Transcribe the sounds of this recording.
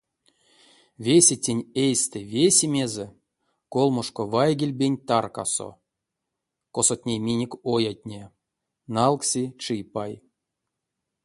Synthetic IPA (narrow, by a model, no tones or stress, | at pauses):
vʲesʲetʲenʲejsʲt̪evʲesʲemʲeze | kolˠmoʂkovajɡʲelʲbʲenʲt̪arka̰so̰ | kosot̪ʲnʲemʲinʲekʲojat̚ʲnʲe | nalˠksʲit͡ʂɨpaj